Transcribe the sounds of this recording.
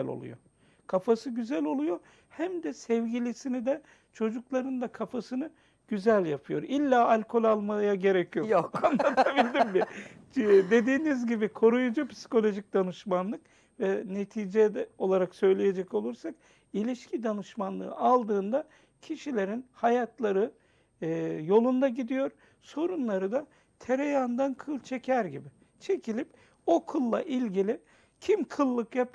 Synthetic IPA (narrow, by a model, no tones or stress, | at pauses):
lo̰lˠṵjo̰ | kʰafasɯɟyzælʲo̞lˠujo̞ | hæmd̪ɛsɛvɟilʲisinid̪ɛ | t͡ʃʰo̞d͡ʒuklˠaɾɯnd̪akʰafasɯnɯ | ɟ̥yzælʲjapʰɯjo̞̰ɾilʲːaːalʲkʰo̞lʲalˠmajaɟe̞ɾecʰijoannlˠat̪ʰabilʲd̪imbɪ | d̪e̞d̪iːnizɟibikʰo̞ɾujud͡ʒupi̥si̥ko̞lʲo̞ʒic̚d̪anɯʃmanlˠɯk | vɛnet̪ʰiːd͡ʒɛd̪ɛo̞lˠaɾaksø̞jlʲije̞d͡ʒɛco̞lˠuɾsak | ilʲiʃcʰid̪anɯʃmanlˠɯ̰ːalˠd̪ɯːnd̪a | cʰiʃilʲe̞ɾinhajat̪ʰlˠaɾɯ | jo̞lˠund̪aɟid̪ijo̞ɾ | so̞ɾunlˠaɾɯd̪a | t̪ʰeɾejand̪ankʰɯlˠt͡ʃʰe̞cʰæɾɟibɪ | t͡ʃʰe̞cʰilʲip | o̞kʰulˠːa̰ʔilʲɟilʲɪ | cʰimkʰɯlˠːɯkjap̚